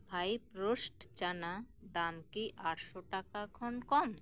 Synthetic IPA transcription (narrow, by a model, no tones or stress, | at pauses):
bʱajpɾosʈt͡ʃanad̪amkiʔaʈʃoʈakakʰɔɳkɔm